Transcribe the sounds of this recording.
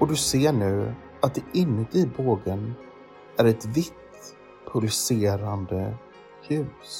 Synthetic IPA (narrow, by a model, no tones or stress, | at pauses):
ɔd̪ɵseːɳʉ̟ː | at̪̚d̪ɛʔɪnːət̪ɪboːɡən | æɾɛt̪vɪt̪ː | pʰʊlɵseːɾand̪ə | hʉ̟ːs